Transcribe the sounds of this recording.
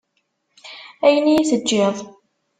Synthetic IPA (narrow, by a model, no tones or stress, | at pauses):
æjənijæθəd͡ʒːɪðˤ